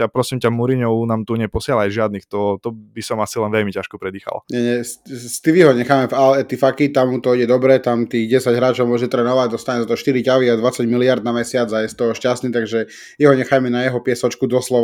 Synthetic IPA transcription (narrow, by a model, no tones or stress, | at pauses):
apɾɔsimcamuɾiɲɔʊnaːmt̪uɲɛpɔsɪalajʒɪad̪niːxt̪ɔt̪ɔbisɔmasilɛnʋɛlmicaʃkɔpɾɛd̪iːxa̰la̰ɲɛɲɛsst̪iʋiɦɔɲɛxaːmɛvalɛt̪ifakit̪amut̪ɔiɟɛd̪ɔbɾɛt̪amt̪iːɣɟɛsaɟɦɾaːt͡ʃɔʊmɔʒɛt̪ɾɛnɔʋaɟd̪ɔst̪aɲɛzat̪ɔʃt̪iɾicaʋiad̪ʋat͡saɟmiliaɾd̪namɛsɪad͡zajɛst̪ɔʃcast̪niːt̪aɡʒɛ | jɛɦɔɲɛxajmɛnajɛɦɔpɪɛsɔt͡ʃkud̪ɔslɔʋa